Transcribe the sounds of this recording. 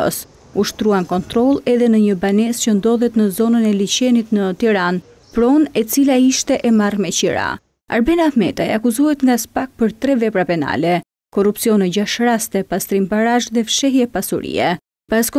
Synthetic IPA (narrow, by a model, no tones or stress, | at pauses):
ɔ̰s | uʃt̪ɾuankɔnt̪ɾɔlˠɛðɛnəɲəbanɛscənd̪ɔðɛt̪nəzɔnənɛlit͡ɕɛnit̪nət̪iɾan | pɾɔnɛt͡silaiʃt̪ɛʔɛmarmɛt͡ɕiɾa̰ | a̰ɾbɛnaθmɛ̰t̪ajakuzuhɛt̪ŋɡaspak̚pəɾt̪ɾɛvɛpɾapɛna̰lɛ | kɔrupsiɔnɛd͡ʑaʃɾast̪ɛpast̪ɾimpaɾaʒðɛfʃɛɦjɛpasuɾḭɛ̰ | b̥askɔ